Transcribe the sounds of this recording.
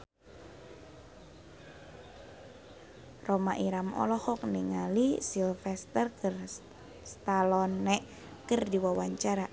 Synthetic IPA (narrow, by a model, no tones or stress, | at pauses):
romaʔiɾamɔ̰lɔhɔk̚niŋalisilfɛst̪ərkr | st̪alɔnːɛʔ | kərdiwawaɲt͡ʃaɾa